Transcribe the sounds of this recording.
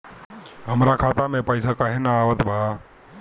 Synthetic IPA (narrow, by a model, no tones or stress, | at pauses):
ɦəmɾakʰaːt̪amẽpəɪsakaɦɛnaaːʋət̪bʱaː